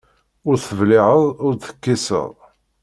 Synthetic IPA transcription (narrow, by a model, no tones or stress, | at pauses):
ʊɾθəvlɪʕəðˤʊɾθə̥kːisə̰ðˤ